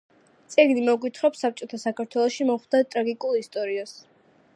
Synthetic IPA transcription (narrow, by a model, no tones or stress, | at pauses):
t̪sʼɛɡnimɔɡwit̪ʰχɾɔpsap̚t͡ʃʼɔt̪ʰasakʰaɾt̪ʰwɛlˠɔʃimɔχd̪at̪ʼɾaɡikʼulˠist̪ʼɔɾias